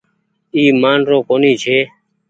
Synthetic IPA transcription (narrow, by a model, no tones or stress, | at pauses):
iːmaːnɾõːkoːniːt͡ʃʰeː